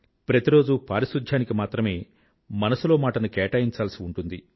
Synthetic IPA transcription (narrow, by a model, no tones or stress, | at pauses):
pɾɐt̪iɾo̞ːd͡ʒupaːɾiʃud̪ʱjaːnikimaːt̪ɾɐme̞ː | mɐnɐsulo̞ːmaːʈɐnukɛːʈaːjiɲt͡ʃaːlsiuɳʈund̪i